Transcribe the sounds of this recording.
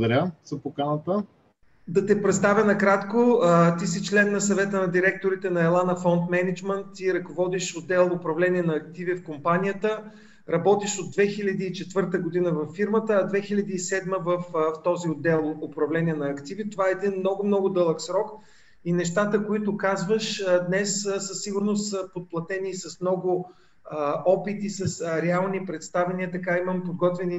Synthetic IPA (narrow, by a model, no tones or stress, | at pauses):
d̪ɐɾʲəz̥ɐpokanət̪ə | d̪ɐt̪ɛpɾɛt̪st̪avʲənɐkɾat̪koət̪is̬it͡ʃlɛnːɐsɐvɛt̪ənɐd̪iɾɛk̚t̪oɾit̪ɛnɐɛlˠanɐfɔnt̪mɛnid͡ʒmənt̪ːiɾɐkovɔd̪iʃod̪ːɛlˠʊpɾɐvlɛniɛnɐɐk̚t̪ivifkompanijət̪ə | ɾɐbɔt̪iʃod̪̚d̪ːvɛxilʲɐd̪iːt͡ʃɛt̪vɤɾt̪əɡʊd̪inəvɐfːiɾmət̪əːd̪vɛxilʲɐd̪iːsɛd̪məvəfft̪ɔziod̪ːɛlˠʊpɾɐvlɛnʲiɛnɐɐkt̪ivit̪ovaɛɛd̪inmnɔɡʊmnɔɡʊd̪ɤlˠəksɾɔk | inɛʃt̪at̪əkoit̪ʊkazvəʃd̪nɛssəsːiɡʊɾnost̪səpot̪̚plˠɐt̪ɛnisɐsmnɔɡʊ | ɔpit̪isɐsɾɛalˠnipɾɛt̪st̪avɛniət̪ɐkaiməmpod̪̚ɡɔt̪vɛni